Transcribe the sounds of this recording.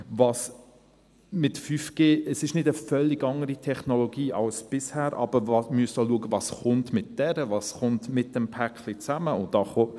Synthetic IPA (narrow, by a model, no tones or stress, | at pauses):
vɑːs | mɪtfyfɡ̥eːəsɪʃnɪdəfœlːɪɡɑŋəɾitʰɛχnɔlɔɡiːʔɑlsb̥ɪshæːɾʔɑ̰b̥əɾvɑmyəstaluəɡəvɑːsχʊntmɪt̚d̥ɛɾəvɑːsχʊntmɪt̚d̥ɛmpʰæklit͡sæməʊndɑːχɔ